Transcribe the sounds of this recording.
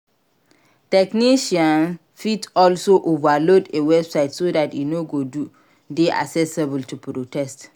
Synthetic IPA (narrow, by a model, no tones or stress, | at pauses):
tɛkniʃiãn | fitɔlsoʔovalodewɛbsaɪtsodatjinoɡodu | deʔa̰sɛsebəltupɾotɛst